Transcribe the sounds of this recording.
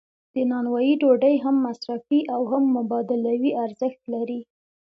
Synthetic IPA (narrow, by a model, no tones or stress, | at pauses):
d̪̥ənɑnwɑjiɖoɖəjɦamːasɾafiʔawɦamːʊbɑd̪ɪlawiʔaɾzəxt̪laɾi